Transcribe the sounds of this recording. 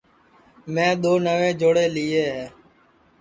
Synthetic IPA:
mɛ̃ːɗ̪oːnəʋẽːd͡ʒoːɽeːlieːɦɛː

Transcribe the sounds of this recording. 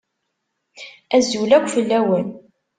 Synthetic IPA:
æzulækʷːfəlːæwən

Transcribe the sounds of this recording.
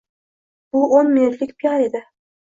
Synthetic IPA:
b̥ʊʔonmɪnʊt̪lɪk̚ʲpʰijɑɾe̞d̪ɪ

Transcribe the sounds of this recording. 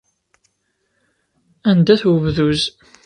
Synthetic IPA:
ænd̪æθwəvðuz

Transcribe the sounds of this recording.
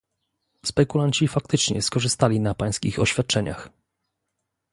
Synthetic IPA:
spɛkulaɲt͡ɕifakt̪ɘt͡ʂɲɛ̰skɔʐɘst̪alʲinapaj̃skʲixɔɕfʲjat̪̚t͡ʂɛɲa̰x

